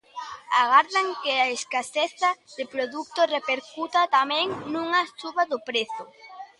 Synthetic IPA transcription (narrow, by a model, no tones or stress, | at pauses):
aɣaɾðaŋkɪaeskaseθaðɪpɾoðuk̚t̪orepeɾkut̪at̪amɛ̃ŋnũŋat͡ʃuβaðʊpɾeθʊ